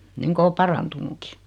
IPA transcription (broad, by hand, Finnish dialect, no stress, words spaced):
niŋko o pɑrɑntunuki